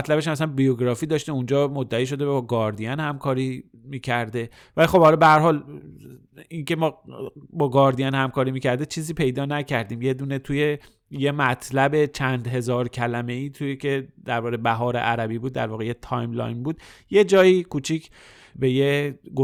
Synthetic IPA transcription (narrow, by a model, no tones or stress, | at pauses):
t̪læbeʃæmæs̬ænbijoɡɾɒːfiːd̪ɒːʃt̪eund͡ʒɒːmod̪ːæiːʃo̞d̪e̞bbɒːɡɒːɾd̪ijɒnhæmkʰɒːɾiː | miːcʰæɾd̪e̞ | vælixo̞b̥hɒlɒbe̞hæɾɦɒːl | inkʰe̞mɒːbɒːɡɒːɾd̪ijænhæmkʰɒːɾiːmiːcʰæɾd̪e̞t͡ʃʰiːziːpʰe̞jd̪ɒːnæcʰæɾd̪iːmje̞d̪uːne̞t̪ʰuje̞ | je̞mæt̪ʰlæbe̞t͡ʃʰænd̪ɦe̞zɒːɾcʰælæme̞iːt̪ʰujekʰe̞d̪æɾvɒːɾebæɦɒːɾeʔæɾæbiːbuːd̪ːæ̰ɾvɒːɣejet̪ʰɒjmlɒ̰jnbuːd̪je̞d͡ʒɒːjiːkʰut͡ʃʰicʰ | be̞jeɡo